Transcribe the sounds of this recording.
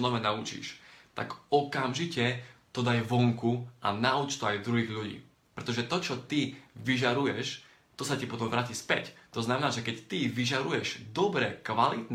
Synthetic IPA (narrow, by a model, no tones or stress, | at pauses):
nɔʋɛnaut͡ʃḭʃt̪a̰ɡɔkamʒicɛt̪ɔd̪ajɛʋɔŋkua̰naut͡ʃt̪ɔajd̪ɾuɦiːɣʎuɟḭː | pɾɛt̪ɔʒɛt̪ɔt͡ʃɔt̪iʋiʒaɾujɛʃ | t̪ɔsacapɔt̪ɔmʋɾaːciːspɛ̰ct̪ɔznamɛnaːʒɛkɛct̪iʋiʒaɾujɛʒd̪ɔbɾɛkʋalit̪n